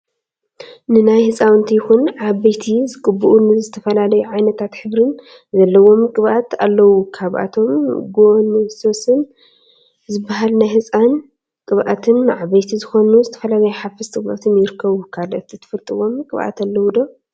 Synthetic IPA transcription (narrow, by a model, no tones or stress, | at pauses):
nɨnajhɨsʼawɨnt̪ʰijɪxunʕaβɐjt̪ʰizɨɡʼɨbːuʔunɨzɨt̪ʰɐfɐlalɐjuʕajnɐt̪ʰat̪ħɨβɾɨn | zɐlːɐwo̞mkʼɨβʔat̪a̰lːɐwukʰaβʔa̰t̪ʰo̞mɡonso̞sɨn | zɨbaɦalnajhɨsʼan | kʼɨβʔa̰t̪ʰɨnːɨʕaβɐjt̪ʰizɨxo̞nuzɨt̪ʰɐ̥fɐlalɐjuħafɨst̪ʼɨβʔat̪ʰɨnjɪɾɨkʰːɐβukʰalʔot̪ːɨt̪ʰɨ̥fɨlt̪ʼɨwo̞mkʼɨβʔa̰t̪alːɐwud̪o̞